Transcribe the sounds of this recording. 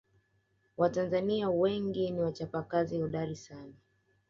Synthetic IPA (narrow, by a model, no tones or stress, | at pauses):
watanzaniawɛŋɡiniwat͡ʃapakaziɔɗalisana